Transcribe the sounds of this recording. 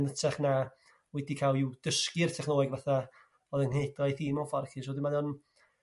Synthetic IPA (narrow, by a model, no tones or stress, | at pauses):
nətʰɛχna | wɛdikʰalˠɪwd̥əskɪrtʰɛχnoːɨɡvaθa | ɔðənhedajθɪmɔfɔrkʰɪsɔdɪmaðon